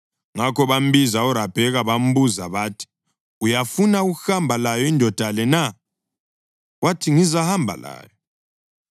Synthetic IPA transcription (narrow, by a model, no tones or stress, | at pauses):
ŋakɔβam̩bizaɔɾab̥ʱɛɣaβam̩buzaβaːtʰi̥ | ujafunauɣuhambʱalajɔindʱɔd̥ʱalɛna | watʰiŋizahambʱa̰la̰ːjɔ